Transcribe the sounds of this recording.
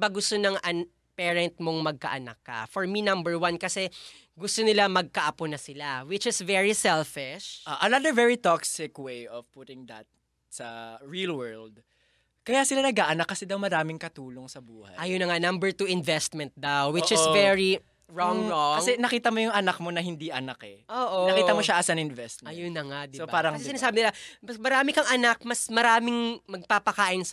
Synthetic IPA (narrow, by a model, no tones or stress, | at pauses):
baɡʊst̪onɐŋʔɐn | pɛɹɐnt̪̚moŋmɐɡ̚kɐ̰ʔɐna̰kːɐ̰fɔɹminɐ̃mbɛɹwankɐsɛ | ɡʊst̪o̞nɪlamɐɡ̚kɐʔɐponɐsɪlawɪt͡ʃɪsvɛɹisɛlfɪʃʔaʔɐnad̪əɹvɛɹit̪ɔksɪkwejɔv̥put̪ɪ̃ŋd̪ɐ̰t̪̚ | sɐɹilwɛ˞ld̪̚ | kɐjasɪlanɐɡaʔɐnakːɐsɛd̪ɐwmɐɾaːmɪŋkɐt̪uːloŋsɐbuːhɐ̰jʔɐjonɐŋanɐmbɛɹt̪uʔɪnvɛst̪mɛ̃nt̪̚d̪awwɪt͡ʃɪvɛɹi | ɹɔŋɔkɐŋsɛnɐkiːt̪ɐmojʊŋɐnak̚mo̞nɐɦɪnd̪iʔɐnakɛʔoːʔoɐkiɐmoʃaʔasanɪnvɛst̪̚mɐjjonɐŋad̪sopaːɾɐŋɐsɛsɪnaːsaːbɪnɪlamɐsmɐɾaːmɪkɐŋʔɐnak̚mɐsmɐɾaːmɪŋmɐɡ̚papɐkaːʔɪns